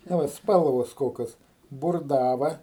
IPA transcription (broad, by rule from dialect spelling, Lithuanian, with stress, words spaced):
ˈnɐ ˈʋɐ ˈspɐlˠʋoːs ˈkoːkʲoːs bʊrˈdɑːʋɐ